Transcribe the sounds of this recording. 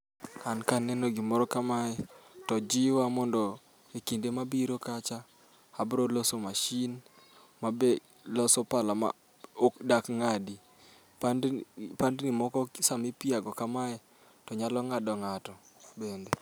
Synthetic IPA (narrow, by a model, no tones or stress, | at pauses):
kankanɛnoɡɪmɔɾɔkamaɛtɔd͡ʒɪwamɔndɔ | ekindemabiɾokat͡ʃa | abɾolɔsomaʃin | mabe | lɔsɔpalama̰ | okdakŋadi | pandnimɔkɔsamɪpɪaɡɔkamaɛ | tɔɲalɔŋadɔŋatɔ | bende